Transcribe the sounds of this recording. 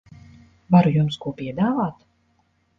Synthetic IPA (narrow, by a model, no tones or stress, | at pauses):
vaɾujumskuɔpʲiɛd̪aːvaːt̪